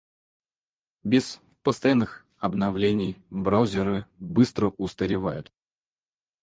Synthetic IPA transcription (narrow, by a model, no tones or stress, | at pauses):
bʲɪs | pəst̪ɐjanːɨx | ɐbnɐvlʲenʲɪjbɾawzʲɪɾɨbɨst̪ɾəʊst̪əɾʲɪvajʊt̪